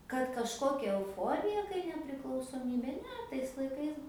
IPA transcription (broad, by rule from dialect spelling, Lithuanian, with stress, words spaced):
kɐt kɐʃˈkoːkʲɛ ɛʊˈfoːrʲɪjɛ kɐɪ nʲɛpʲrʲɪklˠɐʊsoːˈmʲiːbʲeː ˈnʲɛ tɐɪs lˠɐɪˈkɐɪs